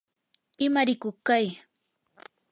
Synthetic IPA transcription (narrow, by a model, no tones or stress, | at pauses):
ɪmaɾɪkʊχkaj